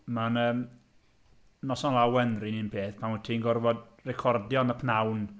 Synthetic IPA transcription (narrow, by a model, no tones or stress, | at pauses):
manəːm | nɔsɔnlˠawɛnrinɪnpʰeːθpʰamətʰinɡɔrvɔd | rɛkʰɔrdjɔnəpʰnawn